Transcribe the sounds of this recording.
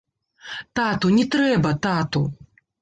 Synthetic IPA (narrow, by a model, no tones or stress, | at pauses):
t̪at̪unʲɛt̪ɾɛbɐt̪at̪u